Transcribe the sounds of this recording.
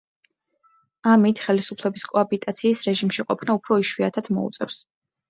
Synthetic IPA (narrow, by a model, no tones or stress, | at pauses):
amit̪ʰχɛlisupʰlɛbiskʼɔabit̪ʼat̪sʰiːsɾɛʒimʃiqʼɔpʰnaupʰɾɔiʃwiat̪ʰad̪̥mɔ̰ṵt̪sʼɛ̰fs